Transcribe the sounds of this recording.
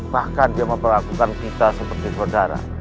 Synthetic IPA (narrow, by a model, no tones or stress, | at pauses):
b̥ahkandiaməmpərlakukankit̪asəpərt̪isodaɾa̰